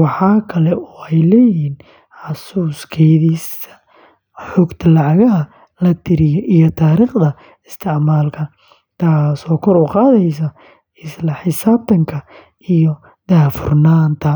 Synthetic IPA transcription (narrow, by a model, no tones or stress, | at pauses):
wɑħɑːkʰɐlɛʔɔːɛjlɛːjɪɦiːn | ħɑsuːskʰɛjðiːsɐ | ħɔːɡt̪ʰɐlɑʕɑɣɐɦɐ | lɐt̪ʰɪɾɪjɔʔijɔt̪ʰaːɾiːχd̪ɐ | ɪst̪ʰɪʕmaːlkʰɐ | t̪ʰaːsɔːkʰɔɾʊːqɑːðɛjs̬ɐ | ɪslɐħɪsaːb̚t̪ʰɐŋkʰɐ | ijɔ | d̪aːfʊrnaːnt̪ʰɐ